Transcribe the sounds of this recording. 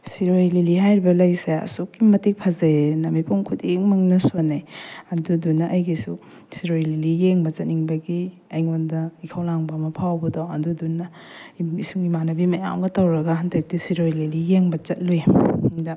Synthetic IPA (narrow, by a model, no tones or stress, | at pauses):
siɾojliliɦajɾibɐlɐjseɐ̰sukːimɐtik̚pʰɐzanɐmipʰoŋkʰuteŋmɐŋnɐsonajɐdudunɐʔɐjɡisu | siɾojlilijeŋbɐt͡ʃɐt̚niŋbɐɡi | ajŋandɐikʰawlaŋbamɐpʰawbɐdoɐdudunɐ | isuŋɡimanɐbimɐja̰mɡɐtɐwɾɐɡɐɦandak̚tisiɾojlelijeŋbɐt͡ʃɐt̚luemdɐ